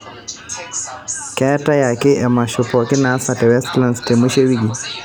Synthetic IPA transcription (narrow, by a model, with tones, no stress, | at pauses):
kɛ˦ta˦ja˨ke˦ʔɛ˨ma˨ʃu˨pɔ˨ki˦na˦sa˨tɛ˨wɛ˦stla˦nste˨mu˦ʃe˦wi˦ɡi˨